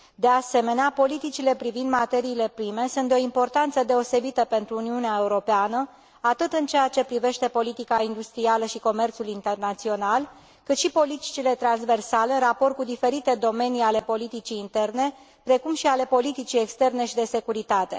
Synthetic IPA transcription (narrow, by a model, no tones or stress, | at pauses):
d̪e̞ase̞me̞neapo̞lit̪it͡ʃile̞pɾivind̪mat̪e̞ɾiːle̞pɾime̞sunt̪d̪eo̞impo̞rt̪ant̪səd̪e̞o̞se̞bit̪əpe̞nt̪ɾuːniuneae̞uɾo̞peanə | at̪ɨt̪ɨnt͡ʃejat͡ʃe̞pɾive̞ʃt̪e̞po̞lit̪ikaind̪ust̪ɾialəʃiko̞me̞rt̪sulint̪e̞rnat̪sio̞nal | kɨt̪ʃipo̞lit̪i̥t͡ʃile̞t̪ɾanzve̞rsaleɨnrapo̞rt̪kud̪ife̞ɾit̪e̞d̪o̞me̞niale̞po̞lit̪it͡ʃiːnt̪e̞rne̞ | pɾe̞kumʃiale̞po̞lit̪it͡ʃije̞kst̪e̞rne̞ʃid̪e̞se̞kuɾit̪at̪e̞̰